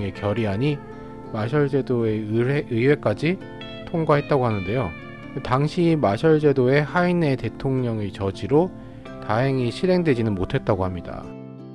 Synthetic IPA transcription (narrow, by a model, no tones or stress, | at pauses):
e̞kjʌɾiɦaɲi | maɕ̬ʰʌɭd͡ʑe̞doe̞eɯwe̞k͈ad͡ʑi | tʰoŋɡwaɦe̞t̚t͈aɡoɦanɯnde̞jo | taŋɕʰiːmaɕʰʌɭd͡ʑe̞doe̞haine̞te̞tʰoŋɲʌŋet͡ɕʌd͡ʑiɾo | taɦeŋiɕʰiɾe̞ŋdwe̞d͡ʑinɯnmotʰe̞t̚t͈aɡoɦamɲida̰